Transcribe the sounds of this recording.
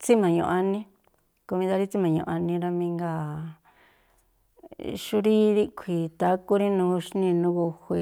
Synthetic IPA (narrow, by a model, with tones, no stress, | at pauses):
t͡si˦mã˨ɲõ̰˨ʔa˧nĩ˦ | ko˧mĩ˧d̪a˧ɾi˦t͡si˦mã˨ɲṵ̃˨˧˨a˧nĩ˧ɾa˧mĩ˧ŋɡa˧˨ | ʃu˧˦ɾi˦ɾi˦kʷʰi˨t̪a˧˦ku˦ɾi˦nũː˧˦˧ʃnĩ˧nũ˦ɣo˧hʷe˧